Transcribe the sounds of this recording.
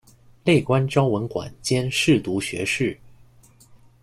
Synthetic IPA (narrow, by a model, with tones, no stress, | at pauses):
le˥˩ɪkwa˥nʈ͡ʂɑ˥ʊwə˧˥nkwa̰˨˩nt͡ɕjɛ˥nʂɻ̩˥˩t̪u˧˥ɕɥɛ̰˧˥ʂɻ̩˥˩